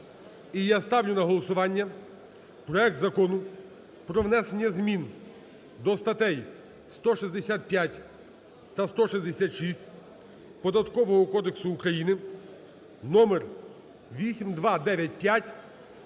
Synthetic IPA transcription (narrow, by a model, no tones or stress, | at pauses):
ijast̪ɑwnʲʊnɐɦɔlˠɔsʊʋɑnʲːɐ | pɾɔɛk̚t̪zɐkɔnʊ | pɾɔʋnɛsenʲːɐzmʲin | d̪ɔst̪ɐt̪ɛj | st̪ɔʃizʲd̪esʲat̪̚pʲjatʲ | t̪ɐst̪ɔʃizʲd̪esʲat̪ʃisʲtʲ | pɔd̪ɐt̪kɔʋɔɦɔkɔd̪eksʊːkɾɐjinɪ | nɔmer | ʋʲisʲimd̪ʋɑd̪ɛʋʲjɐt̚ʲpjatʲ